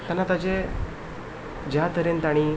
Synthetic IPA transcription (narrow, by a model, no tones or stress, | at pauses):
t̪anat̪at͡ɕe | d͡ʑat̪əɾent̪aɽ̃i